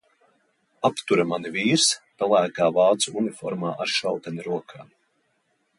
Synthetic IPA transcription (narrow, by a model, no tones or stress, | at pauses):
apt̪uɾamaniviːɾspalˠæːkaːvɑːt̪suunifɔɾmaːʔaɾʃawt̪aniɾuɔkʰaː